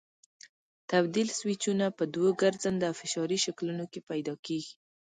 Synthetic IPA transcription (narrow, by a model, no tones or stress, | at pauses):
t̪abd̪ilswit͡ʃunapəd̪wəɡaɾzand̪awfɪʃɑɾiʃaklunokepajd̪ɑkeɡi